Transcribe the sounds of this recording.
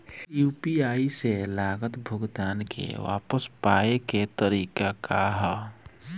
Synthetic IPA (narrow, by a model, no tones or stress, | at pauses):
juːpiaːiselaːɡət̪bʱʊɡd̪aːnkʰḛʋa̰ːpəspaːeket̪əɾiːkakaɦə